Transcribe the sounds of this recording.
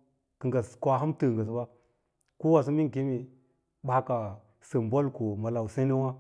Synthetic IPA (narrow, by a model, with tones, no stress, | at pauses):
kə˨ɡa˨skʷa˨ɦa˦mtə˨ŋɡa˨s̬ba˦ | ku˦wa˨s̬u˦mi˦ŋ˨ki˦mi˨ | ɓa˦ka˨ | sə˨mbo˦lko˨ma˨la˨wu˨se˦na˦wa˦